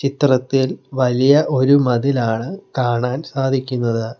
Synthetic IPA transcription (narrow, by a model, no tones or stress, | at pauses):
t͡ɕit̪rɐt̪ːilʋɐlijɐʔo̞ɾumɐðilaːɳɨkaːɳaːnsaːd̪ʱikʲːunːɐðɨ